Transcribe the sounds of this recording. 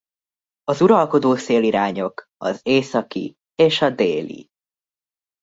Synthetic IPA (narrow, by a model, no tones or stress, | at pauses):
ɒzuɾɒlko̞d̪oːseːliɾaːɲo̞kɒ̰zeːsɒkḭ | eːʃɒd̪eːlḭ